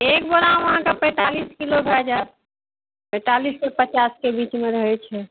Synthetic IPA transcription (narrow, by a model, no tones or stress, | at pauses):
eːk̚boɾãʋəɦãkapɛ̃ːt̪aliskiloɡʱad͡ʒat̪̚ | pɛ̃t̪alisːepət͡ʃaskebiːt͡ʃmẽɾəɦɛt͡ʃʰɛ